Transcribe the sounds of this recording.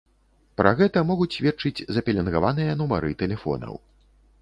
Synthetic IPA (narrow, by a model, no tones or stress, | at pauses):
pɾɐɣɛt̪ɐmɔɣut͡sʲsʲvʲɛt͡ʂɨd͡zʲzɐpʲɛlʲɛnɣavanɨjɐnumaɾɨt̪ɛlʲɛfɔ̰nɐ̰w